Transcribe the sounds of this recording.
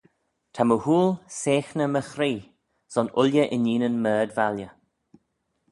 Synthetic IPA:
tʰaməhuːlseːxnəməxɾiː | z̥ɔnʊlʲjəʔɪniːnənmɜːdvaljə

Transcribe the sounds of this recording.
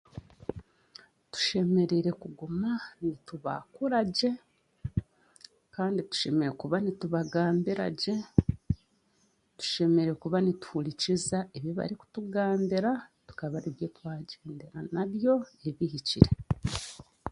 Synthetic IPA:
tu̥ʃe̞me̞ɾeɾe̞kuɡumanituβa̰kuɾaɟe̞ | kaːnditu̥ʃe̞me̞ɾe̞kuβanituβaɡaːmbiɾa̰ɟe̞ | tu̥ʃe̞me̞ɾe̞kuβanitu̥hulicizaeβjoβa̰ɾiku̥tuɡaːmbiɾatu̥kaβaɾiβjetwaːɟeːndeɾanaβjo̞eβihiciɾe̞

